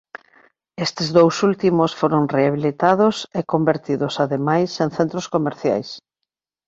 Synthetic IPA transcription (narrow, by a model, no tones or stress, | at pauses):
est̪ɪzðowsult̪imosfoɾonreaβ̞ilit̪að̞osekombeɾt̪iðosaðemajsẽŋθent̪ɾoskomeɾθja̰js